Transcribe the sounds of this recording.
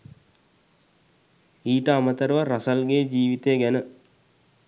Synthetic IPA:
iːʈəamət̪əɾəʋaɾasalɡed͡ʒiːʋit̪ejəɡænə

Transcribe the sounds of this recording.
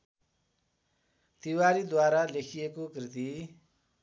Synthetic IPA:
t̪iwaɾid̪waɾalekʰijekokrit̪̬i

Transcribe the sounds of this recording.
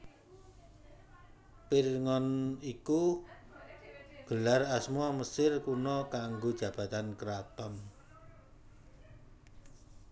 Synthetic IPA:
pirŋɔniku | ɡ̥əlarasmɔməsɪrkunɔkaŋɡod̥ʒ̥ä̤b̥ä̤t̪ankəɾapəm

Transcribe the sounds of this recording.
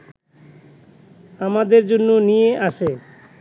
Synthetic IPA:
amad̪eɾd͡ʑonːonijeʔaʃe

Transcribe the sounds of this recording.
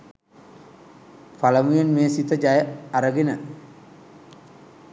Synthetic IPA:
falɐmujonmeːsit̪ɐd͡ʒajaɾɐɡinɐ

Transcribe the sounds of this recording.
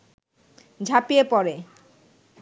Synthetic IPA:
d͡ʑʱapiepɔɾe

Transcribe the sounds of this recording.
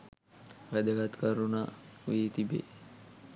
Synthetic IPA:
ʋæd̪əɡat̪kəɾunaʋiːt̪ibḛ

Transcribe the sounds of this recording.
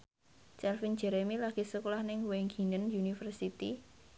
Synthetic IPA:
t͡ʃɛlfin̥d͡ʒ̥ɛɾemilaɡ̥i̤səkolahnɪŋweŋɡi̤nənjunifərsit̪i

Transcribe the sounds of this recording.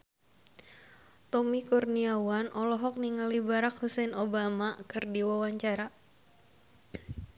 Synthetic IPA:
t̪ɔmikurniawanʔɔlɔɦɔk̚niŋalibaɾak̚husɛnobamakɨrdiwawaɲt͡ʃaɾa

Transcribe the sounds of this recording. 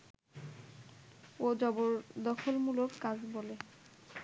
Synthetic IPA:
od͡ʑɔboɾd̪ɔkʰolmuloɾkad͡ʑbole

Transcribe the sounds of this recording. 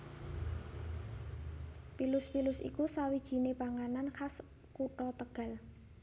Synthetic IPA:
pilʊspilʊsḭkusawid̥ʒ̥i̤nepaŋananxas | kuʈɔt̪əɡ̥a̤l

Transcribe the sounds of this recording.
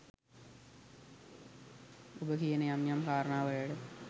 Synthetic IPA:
ubɐkijɐnɐjaːmjaːmkaːɾɐɳaːʋɐjɐɽɨ

